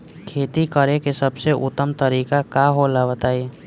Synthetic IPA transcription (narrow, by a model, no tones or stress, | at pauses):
kʰeːt̪ikəɾẽkesəbseʔʊ̰t̪ːəmt̪əɾiːkakaːɦolaʋət̪aːi